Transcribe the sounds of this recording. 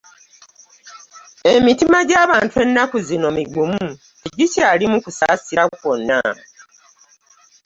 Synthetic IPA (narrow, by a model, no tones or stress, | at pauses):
emitimaɟaːβaːntwe̞nːakuzino̞miɡumu | tiɟicaːlimukusasiɾakwo̞nːa̰